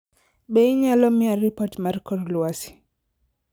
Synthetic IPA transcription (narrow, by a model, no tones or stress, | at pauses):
bɛiɲalɔmiaɾipatmaɾkɔɾluasi̥